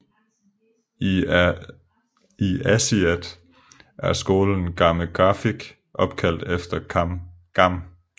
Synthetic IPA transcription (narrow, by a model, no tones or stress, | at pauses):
iæsiæd̥ | ʔæɐsɡ̥o̝ːln̩n̩ɡ̥ɑ̈məɡ̥ʁɑ̈fiɡ̥ | ʔɒ̽b̥̚kʰæl̰d̥efd̥ɐ | ɡ̥ɑm̰